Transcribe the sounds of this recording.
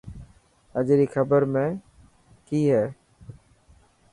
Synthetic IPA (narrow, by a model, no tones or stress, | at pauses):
əd͡ʒɾiːxəbəɾmẽː | kiːɦɛː